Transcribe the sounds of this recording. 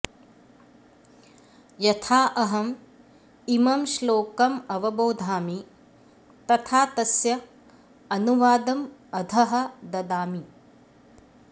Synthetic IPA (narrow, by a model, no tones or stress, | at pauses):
jɐt̪ʰaːʔɐɦɐm | imɐmʃloːkɐmɐʋɐboːd̪ʱaːmi | t̪ɐt̪ʰaːt̪ɐsjɐ | ɐnuʋaːd̪ɐmɐd̪ʱɐɦɐ̆d̪ɐd̪aːmi